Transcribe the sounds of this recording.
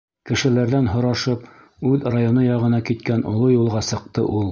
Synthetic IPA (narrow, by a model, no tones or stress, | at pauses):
kɘ̆ʃɘ̆læɾðænɦŏɾɑʃɤp | ʉðrajonɤjɑʁɤ̆nɑkit̪kænŏlˠojulˠʁɑsɤ̆q̚t̪ɤ̰ʔulˠ